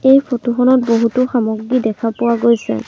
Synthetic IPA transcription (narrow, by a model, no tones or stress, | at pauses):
ejpʰotuxɔnɔt̚boɦutʊxamoɡːidɛkʰapʊwaɡojsɛ̰